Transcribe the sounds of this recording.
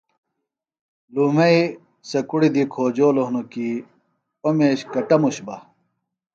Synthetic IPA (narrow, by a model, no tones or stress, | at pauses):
luːmɐi | sɐkuɽid̪ikʰoːd͡ʑoːloɦnoki | omeːɕkɐʈɐmuɕbɐ